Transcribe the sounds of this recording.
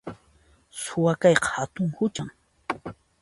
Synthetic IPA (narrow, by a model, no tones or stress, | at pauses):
sʊwakajqɑ̥hat̪ʊŋhʊt͡ʃaŋ